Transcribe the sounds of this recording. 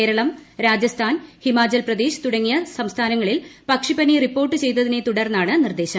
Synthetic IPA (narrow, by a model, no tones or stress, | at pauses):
eːɾɐɭɐmɾaːd͡ʑjɐst̪ʰaːnhimaːt͡ɕɐlprɐd̪eːɕɨ̥t̪uɽɐŋːijɐsɐmst̪ʰaːnɐŋːɐɭilpɐkʂipɐniripːo̞ːrʈːɨt͡ɕe̞jt̪̬ːɐðine̞t̪uɽɐrnːaːɳɨnird̪e̞ːɕɐ